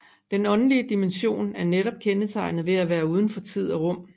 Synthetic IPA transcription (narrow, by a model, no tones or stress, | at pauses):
d̥enɒ̽nəliəd̥imenɕo̝̰ːnæɐneɾɒ̽b̥̚kʰenət͡sʰɑ̈ɪnð̩ˠʋe̝æʋæːɐuːð̞ˠn̩fɒ̽t͡sʰið̞̰ˠɒʁɔ̽m̰